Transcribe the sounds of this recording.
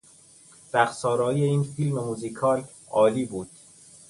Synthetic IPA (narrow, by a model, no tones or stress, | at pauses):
b̥æxsɒːɾɒːiːeiːnfilmemuzikʰɒːl | ɒːliːbuːd̪̥